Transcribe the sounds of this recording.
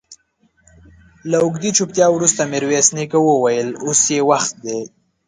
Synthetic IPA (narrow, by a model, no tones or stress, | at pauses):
laʊɡd̪it͡ʃup̚t̪jɑwɾust̪amɪɾwesnikawəwajəlosjewaxt̪̚d̪e